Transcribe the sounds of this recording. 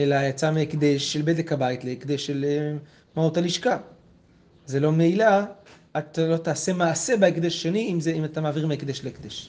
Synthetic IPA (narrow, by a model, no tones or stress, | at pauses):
elajat͡sameːkd̪eʃːelbedekabait̪leːkd̪eʃːel | mautaliʃka | zelo̞meila | at̪alo̞t̪aːse̞maːse̞baekd̪eʃaʃe̞niimzeimat̪amaːviʁmeekd̪eʃleekd̪eʃ